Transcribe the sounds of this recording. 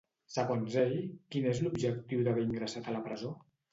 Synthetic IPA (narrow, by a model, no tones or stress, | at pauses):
səɣonzeʎkinezlubʒək̚t̪iwðəβɛiŋɡɾəsat̪ələpɾəzo